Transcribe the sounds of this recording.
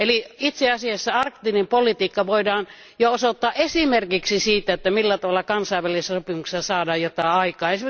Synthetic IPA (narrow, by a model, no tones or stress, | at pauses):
eliit̪seɑsiɑsːæɑrkt̪iːnempolit̪iːkːɑʋoidɑːn | joosot̪ːɑːʔʔesimerkiksisiːt̪æet̪ːæmilːæt̪ɑʋɑlːˑɑkɑnsɑˑiʋːælissopimukse̥sɑsɑːdɑːjjot̪ɑˑeɑikˑɑːeis